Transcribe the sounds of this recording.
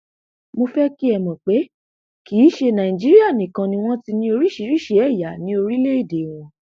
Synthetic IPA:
mo˧fɛ˦ki˦ɛ˧˨mɔ̃˨k͡pe˨˦ | ki˨˦ʃe˧nã˨ĩ˨d͡ʒi˦ɾi˦a˦˨nĩ˨kã˧nĩ˧w̃ɔ̃˦ti˧nĩ˧˦o˧ɾi˦ʃi˨˦ɾi˦˨ʃe˦ɛ˦˨ja˨nĩ˨˦o˧ɾi˦le˦i˦˨de˨w̃ɔ̃˧

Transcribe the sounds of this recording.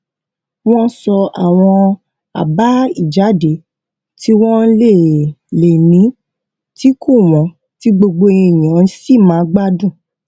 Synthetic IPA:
w̃ɔ̃˦sɔ˧a̰˨w̃ɔ̃˧ | a̰˨ba˨˦i˦˨d͡ʒa˨˦de˨˦ | ti˦w̃ɔ̃˦n̩˦le˦˨le˨nĩ˨˦ | ti˦kʰu˦˨w̃ɔ̃˨˦ | ti˦ɡ͡bo˧ɡ͡bo˧ĩ˧˨j̃ã˨˦n̩˦si˦˨mãː˨˦ɡ͡ba˦dũ˦˨

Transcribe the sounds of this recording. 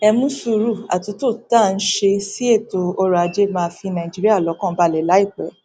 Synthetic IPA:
ɛ˧mũ˦su˧ɾu˦˨a̰˨tu˨˦to˦˨ta˦˨n̩˦ʃe˧si˦e˦˨to˧ɔ˧ɾa˧d͡ʒe˦mãː˧fi˧nã˨i˨d͡ʒi˦ɾi˦a˦˨lɔ˨˧˦kɔ̃˦˨˦ba˧˨lɛ˨˦la˨˦i˦˨k͡pɛ˨˦

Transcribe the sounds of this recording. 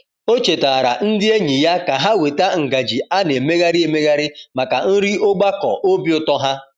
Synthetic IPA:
o˦t͡ʃe˨ta˨ɾa̰˨n̩˦dɪ˦e˦ɲi˨ja˦ka˨ɦa˦we˨ta˦ŋ̩˨ɡa˨d͡ʒi˨a˦ne˨me˦ɣa˦ɾɪ˦e˨me˦ɣa˦ɾɪ˦ma˨ka˨n̩˦ɾi˦ʔo˦ɡ͡ba˦kɔ̰˨ʔo˦bi˦ʊ˦tɔ˦ɦa˦

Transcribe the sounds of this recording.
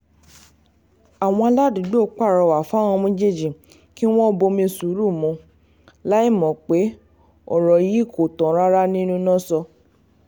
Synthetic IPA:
a˨w̃ɔ̃˧a˧la˦du˨˦ɡ͡bo˦˨k͡pa˦˨ɾɔ˧˨wa˨fw̃ɔ̃˧mĩ˦d͡ʒe˦˨d͡ʒi˨ | ki˦w̃ɔ̃˦bo˧mĩ˧su˨˦ɾu˦˨mũ˧ | la˦i˦˨mɔ̃˨k͡pe˨˦ | ɔ̰˨ɾɔ˨ji˨˦kʰo˨tɔ̃˨˦ɾa˦ɾa˦nĩ˦nũ˦nɔ̃˦sɔ˧

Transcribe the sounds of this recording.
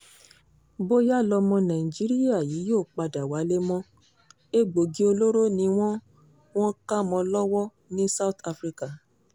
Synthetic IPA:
bo˦ja˦˨lɔ˧mɔ̃˧nã˨i˨d͡ʒi˨˦ɾi˦a˦˨jiː˨˦joː˦˨k͡pa˧da˨wa˨˦le˦mɔ̃˦ | e˦ɡ͡bo˨ɡi˦o˧lo˦ɾo˦nĩ˧w̃ɔ̃˦ | w̃ɔ̃˦ka˦mɔ̃˧lɔ˦wɔ˦ | nĩ˦sa˦u˦t̪a˧fɾi˧ka˨

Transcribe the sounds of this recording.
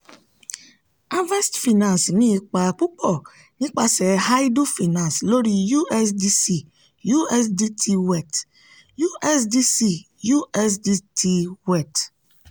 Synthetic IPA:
a˦vɛ˦stfi˨nã˨nsmĩ˦˨k͡pa˨k͡pu˦k͡pɔ˦˨ | nĩ˦k͡pa˨sɛ˨ha˦jdu˦fi˨nã˨nslo˦ɾi˨ju˦ɛ˦sdi˦si˨ | ju˦ɛ˦sdi˦tʰi˦wɛ˨t | ju˦ɛ˦sdi˦si˦ | ju˦ɛ˦sdi˦tʰi˦wɛ˦˨t

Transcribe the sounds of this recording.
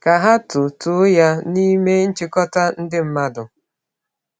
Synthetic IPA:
ka˨ɦa˦tʊ˨tʊ˨˦ja˦ni˦me˦n̩˦t͡ʃɪ˦kɔ˦ta˦n̩˦dɪ˦m̩˦ma˦dʊ˨

